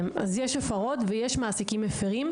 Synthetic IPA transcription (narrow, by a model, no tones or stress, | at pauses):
mazjeʃefaʁo̞tvejeʃmaːsikimefiʁim